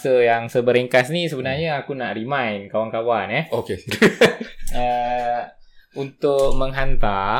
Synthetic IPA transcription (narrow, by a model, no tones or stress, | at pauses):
səjaŋsəbəɾeŋkasnisəbənarɲaakunaʔrimãjnkawankawanɛhoke | ə | unt̪ʊk̚məŋɦant̪a